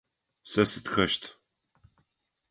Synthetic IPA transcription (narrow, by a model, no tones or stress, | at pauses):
sɐsɨtxɐʃtʰ